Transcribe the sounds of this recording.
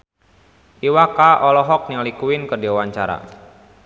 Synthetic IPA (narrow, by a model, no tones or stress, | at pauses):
ʔiwakaʔɔlɔɦɔk̚niŋlikuɪnkədiwawaɲt͡ʃaɾa̰